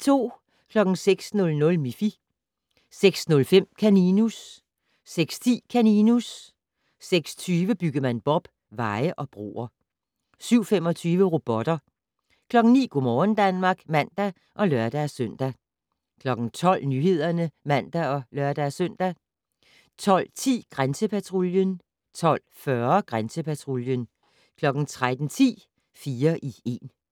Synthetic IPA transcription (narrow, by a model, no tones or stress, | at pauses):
t͡sʰo̝̰ː | kʰlɒ̽ɡ̥n̩seɡ̥snɔ̽lnɔ̽lmifi | seɡ̥snɔ̽lfem̰kʰæninusː | eɡ̥st͡sʰḭːkʰæninusː | eɡ̥st͡sʰyːʋəb̥yɡ̥ɐmænb̥ɒ̽b̥ | ʋɑ̈ɪəʔɒ̽b̥ʁo̝̰ːɐ | syʊ̰fem̰ɒ̽t͡sʰyːʋəʁo̝b̥ɒ̽d̥ɐ | kʰlɒ̽ɡ̥n̩nḭːɡ̥omɒːn̩d̥ænmɑ̈ːɡ̥mæn̰d̥æ | ʔɒ̽lɶɐd̥æsøn̰d̥æ | kʰlɒ̽ɡ̥n̩t͡sʰɒ̽l̰nyɦe̝ð̞̰ˠɐnəmæn̰d̥æɒ̽lœɐd̥æsœn̰d̥æ | t͡sʰɒ̽l̰t͡sʰḭːɡ̥ʁansəpʰæt͡sʰʁo̝ljən | t͡sʰɒ̽l̰fɶɐɡ̥ʁansəpʰæt͡sʰʁo̝ljən | kʰlɒ̽ɡ̥n̩t͡sʰʁad̥n̩t͡sʰḭː | fiːɐʔie̝ːn